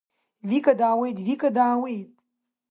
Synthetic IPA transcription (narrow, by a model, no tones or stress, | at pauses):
vikɐd̪aːwejt̪vikʼɐd̪aːwejt̪̚